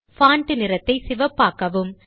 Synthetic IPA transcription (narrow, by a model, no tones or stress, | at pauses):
faːɳʈɯnɪɾɐt̪ːɐɪsɪʋɐpːaːkɐʋɯm